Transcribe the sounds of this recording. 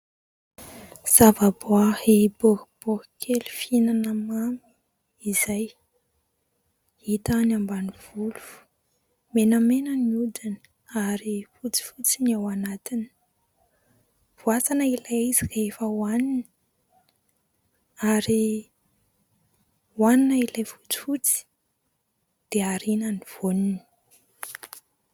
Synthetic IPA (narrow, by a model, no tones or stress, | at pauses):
z̥avaboahebohb̥ohkʰelifinanəmami̥ | izaj | hit̪anambaniv̥ulufu̥ | menəmenəniud̪ini̥ | aɾifut͡si̥fut͡sinawanat̪ini̥ | v̥uat͡sanailaizirefəwanini̥ | aɾi | waninailajfu̥t͡si̥fut͡si̥ | d̪̥eaɾinaniv̥onini̥